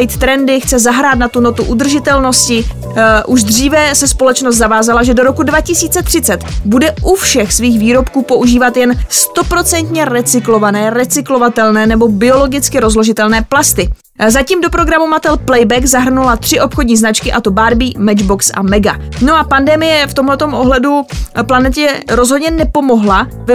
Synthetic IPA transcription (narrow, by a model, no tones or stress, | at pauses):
jt̪t̪ɾɛndɪxt͡sɛzaɦɾaːt̪nat̪uno̞t̪uʔud̪r̩ʒɪt̪ɛlno̞scɪ | ʔuʒd̪r̝iːvɛsɛspo̞lɛt͡ʃnos̬t̪zavaːzalaʒɛdo̞ɾo̞kudvacɪsiːt͡sɛt̪r̥ɪt͡sɛt̪budɛʔufʃɛxsviːxviːɾo̞pkuːpo̞ʔuʒiːvat̪jɛnst̪o̞pɾo̞t͡sɛnt̪ɲɛɾɛt͡sɪklo̞vanɛːɾɛt͡sɪklo̞vat̪ɛlnɛːnɛbo̞bɪo̞lo̞ɡɪt͡skɪɾo̞zlo̞ʒɪt̪ɛlnɛːplast̪ɪ | zaciːmdo̞pɾo̞ɡɾamumat̪ɛlplɛjbɛkzaɦr̩nulat̪r̥ɪʔo̞pxodɲiːznat͡ʃkɪʔat̪o̞baɾbiːmɛd͡ʒbo̞ksʔa̰mɛɡano̞ʔapandɛmɪjɛft̪omlɛt̪o̞mʔo̞ɦlɛduplanɛt̪ɛɾo̞zɦodɲɛnɛpo̞mo̞ɦla | v